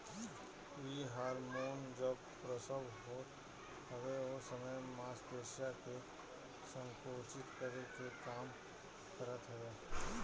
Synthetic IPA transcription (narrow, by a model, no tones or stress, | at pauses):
ʋiɦaːɾmoːnd͡ʒəb | pɾəsəbɦoːt̪ | ɦəʋeosəməjmaːsd̪eːʃjake | sə̃ŋkoːt͡ʃɪt̪kəɾekekaːm | kəɾət̪ɦɛɡeː